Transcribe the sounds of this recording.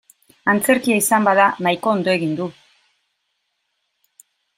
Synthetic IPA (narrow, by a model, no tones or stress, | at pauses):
ant͡se̞ɾkiaisambaðanajko̞ːnd̪o̞e̞ɣ̞ind̪u